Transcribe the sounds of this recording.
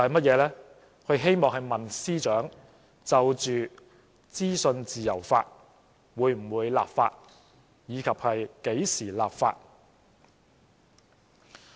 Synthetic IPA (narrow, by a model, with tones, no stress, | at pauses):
ɐ˨jmɐ˥t̚jɛː˨˧lɛː˥ | kʰɵ˨˧ɥɦe˥jmɔː˨ŋɦɐ˨jmɐ˨˩nsiː˥t͡ʃœː˨˥ŋ | t͡sɐ˨wt͡ʃyː˨ | t͡siː˥sɵ˧nt͡siː˨jɐ̰˨˩wfa̰ː˧t̚ | wuː˨˧jm̩˨˩wuː˨˧jla̰ː˨pfa̰ː˧t̚ | jiː˨˧kʰɐ˨p̚hɐ˨jke˨˥jsiː˨˩laː˨p̚fa̰ː˧t̚